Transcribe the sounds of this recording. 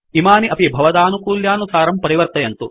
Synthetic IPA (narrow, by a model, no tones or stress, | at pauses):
imaːniʔɐpibʱɐʋɐd̪aːnukuːljaːnusaːɾɐmpɐɾiʋɐɾt̪ɐjɐnt̪u